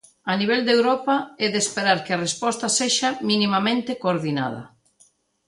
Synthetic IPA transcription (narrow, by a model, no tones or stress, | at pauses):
ɐniβ̞ɛld̪ewɾɔpaɛðespeɾaɾkeɐrespɔst̪aseʃaminimamẽnt̪ɪkoːɾðina̰ð̞ɐ̰